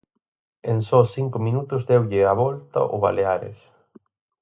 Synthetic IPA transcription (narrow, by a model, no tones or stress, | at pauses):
ensɔsθiŋkʊminut̪ʊzðɛwʎɪaβɔlt̪ɐ̰ʔʊβa̰leaɾɪ̰s